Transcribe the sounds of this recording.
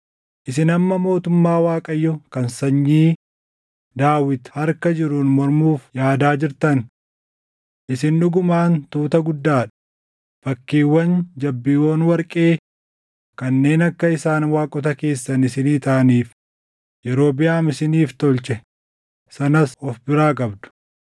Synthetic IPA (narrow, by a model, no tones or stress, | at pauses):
ʔɪsɪnɐmːɐmo̞ːt̪ʊmːaːwaːkʼɐjːɔkɐnsɐɲːiː | d̪aːwɪt̪hɐɾkɐd͡ʒɪɾʊnmɔɾmuːfjaːd̪aːd͡ʒɪɾt̪ɐn | ʔɪsɪnːʊɡʊmaːnt̪uːt̪ɐɡʊd̪ːaːᶑɐ̥ | b̥ɐkːiːwːɐnd͡ʒɐbːiːwoːnwɐɾkʼe̞ː | kɐnːe̞ːnɐkːɐɪsaːnwaːkʼɔt̪ɐke̞ːsːɐnɪsɪniːt̪ɐʔɐniːf | jɛɾo̞ːbɪjaːmɪsɪniːft̪ɔlt͡ʃɛ | sɐnɐsɔfbɪɾaːkʼɐbd̪ʊ̥